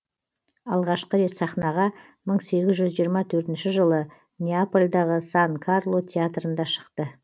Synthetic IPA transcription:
ɑlˠʁɑʃqəɾe̞t̪sɑχnɑʁɑ | məɴse̞ɡʲɪzʒʏzʒijəɾmɑt̪ʰɵɾt̪ɪnʃɪʒəlˠə | nʲeapolʲd̪ɑʁəsɑŋkʰarlˠo̞t̪ʲʰeat̪rənd̪ɑʃə̥qt̪ə

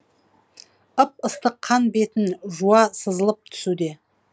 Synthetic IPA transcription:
əp̚əst̪əqʰːɑnbe̞t̪ɪnʒuɑsəzəlˠəp̚t̪ʰʏ̥sud̪e̞

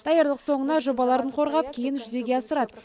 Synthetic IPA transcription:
d̪̥ɑjəɾlˠəqso̞ɴənɑʒo̞bɑlˠɑɾd̪əɴqʰo̞ɾʁɑp̚kʲʰejɪnʒʏze̞ɡʲe̞ɑsəɾɑd̪ə

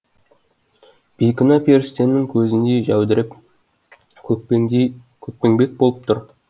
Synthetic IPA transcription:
b̥ijkʲɪnɑpʰʲe̞ɾɪst̪e̞nːɪŋkʲʰɵzɪnd̪e̞ʒæwd̪ɪɾɪp | kʲʰɵk̚pe̞ŋbe̞k̚bo̞lˠəp̚t̪ʰʊɾ

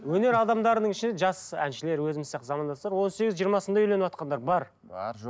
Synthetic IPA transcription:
wɵne̞ɾɑd̪ɑmd̪ɑɾənəɴɪʃɪnd̪eʒɑsæ̰nʃɪle̞ɾwɵzɪmɪsɑqt̪zɑmɑnd̪ɑst̪ɑɾwo̞nse̞ɡʲɪzʒijːɾmɑsənd̪ɑʏjle̞nɪwɑt̪̚qɑnd̪ɑɾbɑɾ | bɑɾʒ

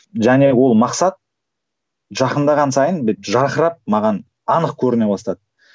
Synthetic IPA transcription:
ʒænewo̞lˠmɑqsɑt̪̚ | ʒɑqənd̪ɑʁɑnsɑjənbet̪ʒɑɾəχəɾɑp̚mɑʁɑn | ɑnəqkʲʰɵɾɪne̞wost̪ɑd̪ə

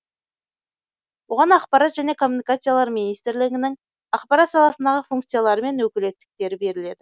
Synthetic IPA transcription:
wo̞ʁɑnɑqpɑɾat̪ʒæne̞kʰo̞mːunijkat̪sɨjalˠɑɾminijst̪ɪɾlɪɡʲɪnɪŋ | ɑqpɑɾat̪sɑlˠɑsənd̪ɑʁəfuŋkt̪sɨjalˠɑɾəme̞nwɵkʲɪle̞t̪ːɪ̥k̚t̪e̞ɾɪbe̞ɾɪle̞d̪ɪ

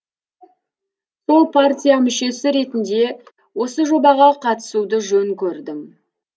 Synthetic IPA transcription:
so̞lˠpʰart̪ʲijamʏʃe̞sɪɾe̞t̪ɪnd̪e̞ | wo̞səʒo̞bɑʁɑqʰɑt̪ə̥sud̪əʒɵŋkʲʰɵɾd̪ɪm

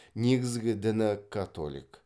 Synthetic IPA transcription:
ne̞ɡʲɪzɡʲɪd̪ɪnɪkʰːat̪o̰lʲḭk

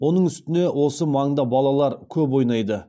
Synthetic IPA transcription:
wo̞nəɴʏst̪ɪne̞wʔo̞səmɑɴd̪ɑbɑlˠɑlˠɑɾkʲʰɵpwo̞jnɑjd̪ə

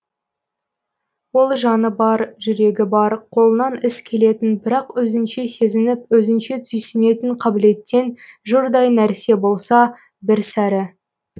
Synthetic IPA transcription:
wo̞lˠʒɑnəbɑɾʒʏɾe̞ɡʲɪbɑɾqʰo̞lˠənɑnɪskʲʰe̞le̞t̪ɪnbɪɾɑqwɵzɪnʃe̞se̞zɪnɪp̚wɵzɪnʃe̞t̪ʰʏjsɪne̞t̪ɪɴqʰɑbɪle̞t̪ːe̞nʒʊɾd̪ɑjnæɾse̞bo̞lˠsɑ | bɪɾsæɾɪ

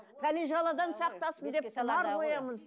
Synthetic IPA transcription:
p̪ʰæleʒʁɑlˠɑd̪ɑnsɑq̚t̪ɑsənd̪e̞p̚t̪ʰlˠɑɾqojɑməz

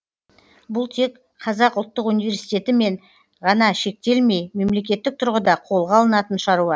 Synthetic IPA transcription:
bʊlˠt̪ʰe̞k | qʰɑzɑqʊlˠt̪ːəqunijvʲe̞ɾsijt̪e̞t̪ɪme̞ɴ | ʁɑnɑʃe̞k̚t̪e̞lme̞jme̞mle̞kʲe̞t̪ːɪk̚t̪ʰʊɾʁəd̪ɑqʰo̞lˠʁɑlˠənɑt̪ənʃɑɾuɑ

